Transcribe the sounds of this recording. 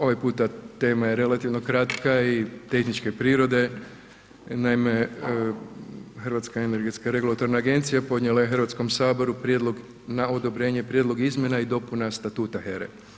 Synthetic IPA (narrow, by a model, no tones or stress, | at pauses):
o̞ʋajpuːt̪at̪e̞ːmaje̞ɾe̞lat̪iʋno̞kɾat̪kait̪e̞xnit͡ʃke̞pɾiːɾo̞d̪e̞ | naime̞ | xəɾʋat̪skaene̞ɾɡe̞t̪skaɾe̞ɡulˠat̪o̞ɾnaːɡe̞nt̪sijapo̞d̪ɲelajexərʋat̪sko̞msaːbo̞ɾupɾje̞d̪lˠo̞ɡ | nao̞d̪o̞bɾe̞ːɲe̞pɾjed̪lˠo̞ɡizmje̞naid̪o̞punast̪at̪uːt̪aheɾḛ